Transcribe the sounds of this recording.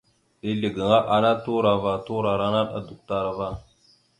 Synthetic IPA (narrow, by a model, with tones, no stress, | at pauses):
i˦li˨ɡə˨ŋa˦ʔa˨na˦tu˦ɾa˨va˨tu˦ɾa˨ɾa˦na˦ɗa̰˨du˨k̚ta˦ɾa˨va˦